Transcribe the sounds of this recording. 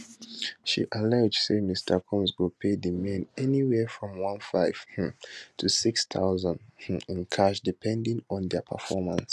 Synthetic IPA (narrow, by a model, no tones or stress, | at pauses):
ʃḭʔəlaʊd͡ʒsemistʰə˞kʰɔ̃mzwɪlpʰedimẽnɛniwɛfɹɔ̃mwʌ̃nfaɪv̥tʰusikstʰa̰ʊzə̃ndĩnkʰaʃdipʰɛ̃ndĩŋɔ̃nðɛpʰə̰fɔmə̰̃ns